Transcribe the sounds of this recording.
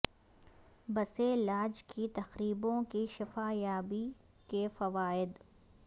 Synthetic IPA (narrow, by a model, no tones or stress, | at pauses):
bɐselaːd͡ʒkit̪ɐxɾiːbõkiʃɪfaːjaːbi | kefɐʋaːɪd̪